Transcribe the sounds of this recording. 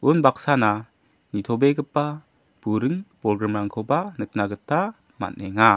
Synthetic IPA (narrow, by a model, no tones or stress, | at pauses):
unbak̚sana | nitʰɔbeɡɯpːa | b̥uɾɯŋpɾɔɡɾamɾaŋkʰobanɯk̚naɡɯtːa | ma̰nːɛŋa